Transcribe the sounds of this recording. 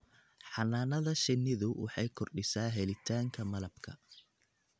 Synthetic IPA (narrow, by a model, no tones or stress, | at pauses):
ħɑnaːnɐðɐʃɪnːɪðʊwɑħɑjkʰɔrɖɪsaːɦɛlɪt̪ʰaːŋkʰɐmɐlɐbkʰɐ